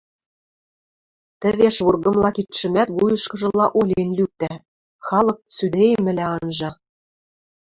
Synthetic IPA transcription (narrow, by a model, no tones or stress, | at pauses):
t̪ɘ̆βeʃβurɣɤ̆mlɑkit̪ʃɘ̆mæt̪ɣujɤ̆ʃkɤ̆ʒɤ̆lɑʔolʲenlyk̚t̪æ | xɑlˠɤ̆k̚t͡syd̪ejemɘ̆læɑnʒɑ